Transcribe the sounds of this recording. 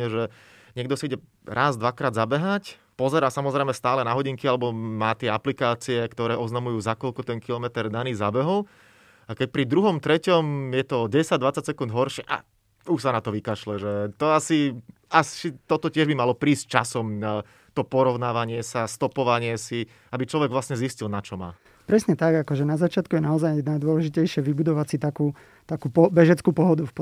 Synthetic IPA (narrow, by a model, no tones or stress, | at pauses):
ɛʒɛ | ɲɪɛɡd̪ɔsiiɟɛ | ɾaːzd̪ʋakɾaːd̪zabɛɦac | pɔzɛɾaːsamɔzɾɛɪmɛst̪aːlɛnaɦɔɟiŋkialɛbɔmaːt̪ɪɛaplikaːt͡siɛkt̪ɔɾɛːʔɔznamujuːzakɔʎkɔt̪ɛnkilɔmɛt̪ɛɾd̪aniːzabɛɦɔʊ | akɛc̚pɾid̪ɾuɦɔmt̪ɾɛcɔmjɛt̪ɔɟɛɛsaɟd̪ʋat͡saɟ̚sɛkund̪ɦɔɾʃɪɛʔa̰ | uʃsanat̪ɔʋikaʃlɛʒɛt̪ɔasi | asit̪ɔt̪ɔcɪɛʒbimalɔpɾiːs̚t͡ʃasɔm | t̪ɔpɔɾɔʊnaːʋaɲɪɛsast̪ɔpɔʋaɲɪɛsi | abit͡ʃlɔʋɛɡʋlasɲɛziscilnat͡ʃɔma̰ː | pɾɛsɲɛt̪aɡakɔʒɛnazat͡ʃɪat̪kujɛnaɔzajnajd̪ʊɔlɛʒicɛjʃɪɛʋibud̪ɔʋat͡sit̪akuː | t̪akuːpɔbɛʒɛt͡skuːpɔɦɔd̪ufp